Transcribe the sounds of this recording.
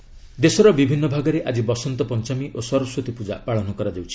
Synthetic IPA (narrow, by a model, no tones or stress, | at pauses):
d̪esɔɾɔbibʱinːɔbʱaɡɔɾeʔad͡ʒibɔsɔnt̪ɔpɔnt͡ʃamiʔosɔɾɔsɾot̪ipud͡ʒa̰paɭɔnɔkɔɾad͡ʒawt͡ʃʰi̥